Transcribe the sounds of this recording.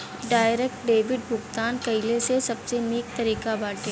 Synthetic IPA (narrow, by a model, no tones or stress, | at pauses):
ɖaːɪɾeːkʈɖeːʋɪɖbʱʊɡt̪aːnkɐɪlesesɐbseneːk̚t̪ɐɾiːkabaːʈe